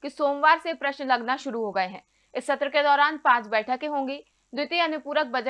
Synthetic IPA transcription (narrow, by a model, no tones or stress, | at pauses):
kisoːmʋaːɾsepɾɐʃnlɐɡnaʃʊɾuɦoːɡɐeɦɛ̃ː | ɪsːɐt̪ɾəked̪ɔːɾaːnpãːt͡ʃbɛːʈʰəkeɦõːŋɡi | d̪ɪt̪iɐnʊpuːɾək̚bɐd͡ʒə